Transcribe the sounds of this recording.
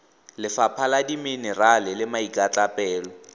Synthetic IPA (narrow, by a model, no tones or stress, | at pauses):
lɪfapʰaladiminɛralɪlɪmaikʼat͡ɬapʼɛːlɔ